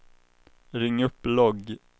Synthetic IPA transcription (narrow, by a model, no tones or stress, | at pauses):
ɾɪŋːɵpːlɔɡ